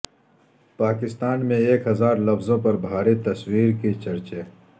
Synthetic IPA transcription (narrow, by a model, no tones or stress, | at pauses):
paːkɪst̪aːnmẽeːkɦɐzaːɾlɐfzõpɐɾbʱaːɾit̪ɐswiːɾket͡ʃɐɾt͡ʃeː